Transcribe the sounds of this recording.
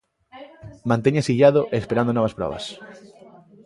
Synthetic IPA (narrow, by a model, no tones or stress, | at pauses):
mãnt̪eɲasiʎaðʊʔespeɾand̪onɔβ̞ɐspɾɔ̰βɐ̰s